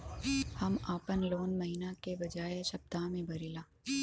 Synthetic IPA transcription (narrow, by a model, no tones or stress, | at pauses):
hɐmaːpənloːnmɐɦinakebɐd͡ʒaːeʃɐb̚t̪amẽbɐɾiːlaː